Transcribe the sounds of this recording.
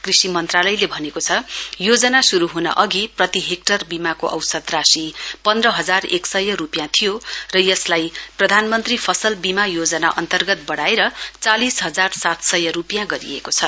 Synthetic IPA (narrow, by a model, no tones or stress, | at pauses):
krisimʌnt̪ralʌjlebʱʌnekot͡sʰʌjod͡zʌnasuɾuɦunʌ̰ʔʌɡiprʌt̪iɦek̚ʈʌrbimakoʔʌ̰wsʌd̪rasipʌnd̪rʌɦʌd͡zareksʌjːʌɾupjãt̪ʰijorʌjʌslajprʌd̪ʱanmʌnt̪ripʰʌsʌlbimajod͡zʌna̰ʔʌnt̪ʌrɡʌt̪̚bʌɽaeɾʌt͡salisɦʌd͡zarsat̪sʌjʌɾupjãɡʌɾḭḛkot͡sʰʌ